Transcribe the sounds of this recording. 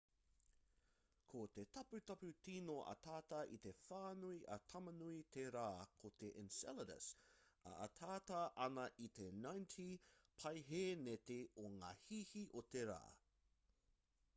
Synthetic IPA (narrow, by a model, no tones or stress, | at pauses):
kʰot̪etɐpʉt̪ɐpʉtinoʔɐ̰t̪ʰaːt̪ɐʔit̪efaːnuiʔɐ̰t̪ʰɐmɐnuit̪ʰeɾaːkʰot̪eʔɛnsɛləɾə̰sɐ̰ːt̪ʰaːtɐʔɐnɐʔit̪enajntʰipʰɐjɦeːnet̪eoŋa̰ːhihiʔot̪eɾa̰ː